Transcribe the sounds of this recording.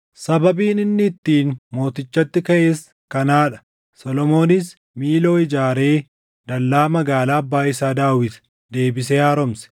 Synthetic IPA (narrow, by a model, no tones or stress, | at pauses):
sɐbɐbiːnɪnːɪːt̪ːiːnmo̞ːt̪ɪt͡ʃːɐt̪ːɪkɐʔeːs | kɐnaːᶑɐ̥ | sɔlɔmo̞ːnɪs | miːlo̞ːɪd͡ʒaːɾe̞ː | d̪ɐlːaːmɐɡaːlaːɐbːaːɪsaːd̪aːwɪt̪ɐ̥ | d̪e̞ːbɪs̬ɛjaːɾɔmsɛ̥